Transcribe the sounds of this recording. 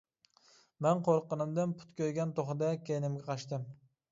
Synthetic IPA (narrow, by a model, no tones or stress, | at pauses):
mɛnqoɾqːənɨmd̪ɨnpʰu̥t̪kʲøjɡʲɛnt̪ʰoχɨd̪ɛkʲʰejnɪmɡʲɛqʰɑʃt̪ɨm